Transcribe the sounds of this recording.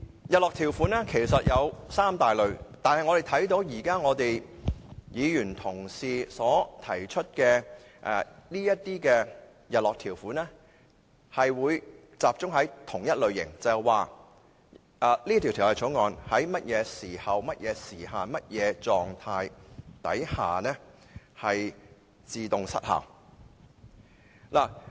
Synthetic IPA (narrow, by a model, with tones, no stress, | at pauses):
jɐ˨t̚lɔː˨kt̪ʰiː˨˩wfuː˨˥nɛː˥kʰe˨˩jsɐ˨t̚jɐ˨˧wsaː˥mt̪aː˨jlɵ˨˧ɥt̪aː˨nhɐ˨jŋɔ˨˧ɾe˨jt̪ʰɐ˨˥jt̪̬o˨˧˥wjiː˨˩kaː˥ŋɔː˨˧t̪e˨j | jiː˨˧jyː˨˩nt̪ʰʊ˨˩ŋsiː˨sɔː˨˥t̪ʰɐ˨˩jt͡ʃʰɵ˥t̚kɛː˧ | ʔɛ̰ː˨˧liː˥jɐ˥t̚t̪iː˥kɛ˧ | jɐ˨t̚lɔː˨k̚t̪ʰiː˨˩wfuː˨˥nɛ˥ | hɐ˨jwuː˨˧j | t͡saː˨p̚t͡sʊ˥ŋɦɐ˨˥jt̪ʰʊ˨˩ŋjɐ˥t̚lɵ˨˧ɥjɪ̰˨˩ŋt͡sɐ˨˩waː˨˧ | ʔa˨liː˥t̪ʰi˨˩t̪ʰi˨˩hɐ˨˩t͡sʰo˨˥wŋɔː˨˧nhɐ˨˥jmɐ˥t̚jɛː˨˧siː˨˩hɐ˨wmɐ˥t̚jʔɛː˨˧siː˨˩haː˨mɐ˥t̚jɛː˨˧t͡sɔː˨ŋt̪ʰaː˧jt̪ɐ˨˥jhaː˨˩nɛː˥ | hɐ˨j | t͡siː˨˧t̪ʊ˨ŋsɐ̰˥t̚hɐ̰ː˨˩w | laː˨˩